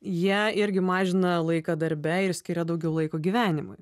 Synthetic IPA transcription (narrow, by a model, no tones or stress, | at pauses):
jiɛɪɾʲɡʲɪmɑːʒʲɪnɐlˠɐɪkɐd̪ɐɾʲbʲɛɪɾsʲkʲɪɾʲɛd̪ɐʊɡʲɛʊlˠɐɪkoːɡʲiʋʲæːnʲɪmʊ̰j